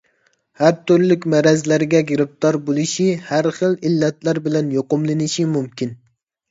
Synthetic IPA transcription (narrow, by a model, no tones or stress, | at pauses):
hæɾt̪ʊɾlɪkʲmæɾɛzlæɾɪɡʲɛɡʲɪɾɪp̚t̪ʰɑɾbolˠɪʃihæɾχəlˠilːɛt̪læɾbɪlɛnjoqʊmlˠɪnɪʃimumkʲɪn